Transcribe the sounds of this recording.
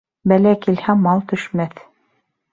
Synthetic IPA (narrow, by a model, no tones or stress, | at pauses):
bælækilhæmɑlˠt̪ɵ̆ʃmæθ